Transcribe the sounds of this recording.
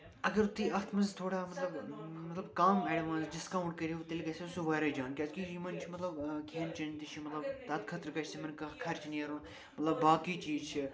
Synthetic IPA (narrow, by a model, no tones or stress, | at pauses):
ɐɡɐɾt̪iɐxt̪ʰmɐzt̪ʰoːɽaːmɐt̪lɐbmɐt̪lɐbkaːmɐːɽiʋãːnzd͡ʒɐskaːũɳʈ̚kɐɾʲiʋut̪elʲkɐsesuʋɐːɾɐd͡ʒaːnkʲazkijimɐnt͡ʃʰimɐt̪lɐbkʰʲeːnt͡ʃɐnt̪it͡ʃʰimɐt̪lɐbt̪ɐt̪̚kʰɐt̪ɾkɐʃsimɐnkɐkʰɐɾt͡ʃʰiniɐɾun | mɐt̪lɐbːaːkiːt͡ʃiːzt͡ʃʰi